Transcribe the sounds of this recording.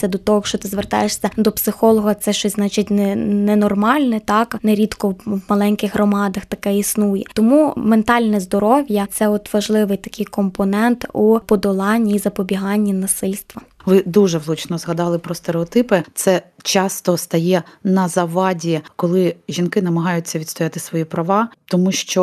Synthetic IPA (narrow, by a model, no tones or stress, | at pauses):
sʲɐd̪ɔt̪ɔɦɔʃt͡ʃɔt̪ɪzʋert̪ɑ̰jeʂsʲɐd̪ɔpsɪxɔlˠɔɦɐt̪sɛʃt͡ʃɔsʲznɑt͡ʃɪtʲnɛnɛnɔrmɑlʲnɛt̪ɑknɛɾʲit̪kɔwmɐlˠɛnʲkɪɣɦrɔmɑd̪ɐxt̪ɐkɛisnujɛt̪ɔmument̪ɑlʲnɛzd̪ɔɾɔʋʲjɐt̪sɛɔt̪ʋɐʒlˠɪʋɪjt̪ɐkɪjkɔmpɔnɛnt̪upɔd̪ɔlˠɑnʲːiːzɐpɔbʲiɦɑnʲːinɐsɪlʲst̪ʋɐʋɪd̪uʒɛʋlˠut͡ʃnɔzɦɐd̪ɑlˠɪpɾɔst̪eɾeɔt̪ɪpɪt̪sɛt͡ʃɑst̪ɔst̪ɐjɛnɐzɐʋɑdʲikɔlˠɪʒʲinkɪnɐmɐɦɑjʊt͡sʲːɐʋʲid̪st̪ɔjat̪ɪsʋɔjipɾɐʋɑt̪ɔmuʃt͡ʃɔ